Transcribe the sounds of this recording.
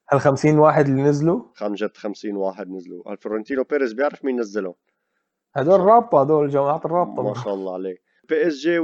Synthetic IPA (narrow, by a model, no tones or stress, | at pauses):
halxamsiːnwaːħɪd̪linɪzluxamʒæt̪xamsiːnwaːħɪd̪nɪzlṵæ̰lfʊɾɑnt̪iːnupeɾɪsbjaʕɾəfminnːæzːɪlʊn | had̪oːɾrˤːɑːb̚t̪ˤɑhd̪oːɾɪlʒamaʕaːt̪rˤːɑːb̚t̪ˤɑmɑʃælːɑʕleː | peʔɛsʒe